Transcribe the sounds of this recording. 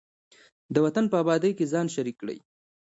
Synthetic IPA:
d̪əwat̪anpəabɑd̪əjkezɑnʃaɾikːɽə̰j

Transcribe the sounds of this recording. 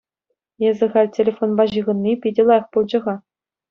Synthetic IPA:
jezʲɘ̆ʁɑlʲtʲelʲefonbɑʑɯʁɤ̆nːipʲidʲɘ̆lˠɑjɤ̆χpulˠd͡ʑɤ̆ʁɑ

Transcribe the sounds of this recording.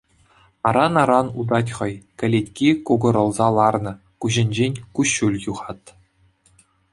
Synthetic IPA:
ɑɾɑnɑɾɑnud̪ɑtʲχɤ̆jkʲɘ̆lʲetʲkʲikoɡɤ̆ɾɤ̆lˠzɑlˠɑrnɤ̆ | kuʑɘ̆nʲd͡ʑenʲkuɕːulʲjuʁɑt̪

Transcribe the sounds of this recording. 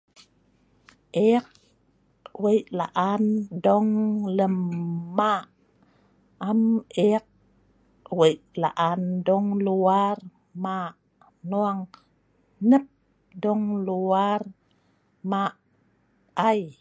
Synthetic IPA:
ʔeq̚ | wəjʔla̰ʔandɔŋləmːaʔ | amʔek̚ | wəjʔla̰ʔandɔŋluar | ma | nuaŋ | nəp̚ | dɔŋluar | maʔ | aj

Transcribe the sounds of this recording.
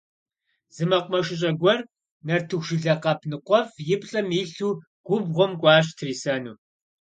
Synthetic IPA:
zɨmɐqʷmɐʃɪɕʼɐɡʷɔr | nɐrtʰɨxʒɪɮɐqɐpʰnɨqʷɔfjɪpʼɬʼɐmiːɬuː | ɡʷʊbʁʷɔmkʷʼɑːɕtʰriːsɐnṵː

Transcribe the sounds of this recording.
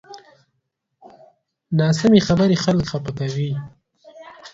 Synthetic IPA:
nɑsɪmexabəɾexalkxapakawi

